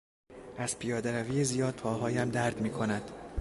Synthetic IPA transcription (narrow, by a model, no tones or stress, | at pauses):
ʔæz̥pʰijɒːd̪eɾæviːjezijɒːd̪̥̚pʰɒːɦɒːjæmd̪æɾd̪miːkʰo̞næd̪̥